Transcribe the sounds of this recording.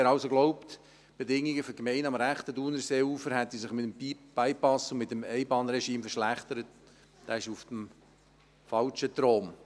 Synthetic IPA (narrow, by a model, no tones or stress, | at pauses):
ɛɾɑʊsoɡ̥loʊpt | b̥edɪŋiɡəfɔkmɛɪnɑmɾæχt̪ədunəɾseːuːfəɾɦɛt̪isɪχmɪtəmbib̥æɪpɑsʊnmɪtːəmɛɪbɑːnɾɛʃiːmfərʃlæχt̪əɾət̚ | d̥ɑːɪʃufd̥əm | fɑlt͡ʃət̪ɾoːm